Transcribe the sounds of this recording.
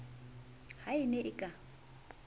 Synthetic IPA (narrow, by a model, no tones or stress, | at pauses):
haɪnɛʔɪkʼa